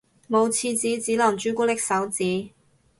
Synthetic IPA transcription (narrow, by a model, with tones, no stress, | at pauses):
mo˨˧wt͡sʰiː˧t͡siː˨˥t͡siː˨˥lɐ˨˩ŋt͡ʃyː˨˥kʷuː˥t̪ɪ˥k̚sɐ˨˥wt͡siː˨˥